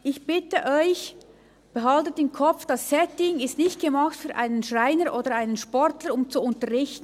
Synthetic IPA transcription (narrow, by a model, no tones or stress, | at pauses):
ʔɪçb̥ɪtəʔɔʏç | b̥əɦɑltətɪmkʰɔp͡fd̥ɑsːɛtɪŋɪstnɪçt̚ɡ̥əmɑxtfyːɐʔa̰ɪnənʃʁaɪnəɾʔoːdəɾaɪnənʃpɔɾtləɾʊmt͡suʊntəʁɪçtn̩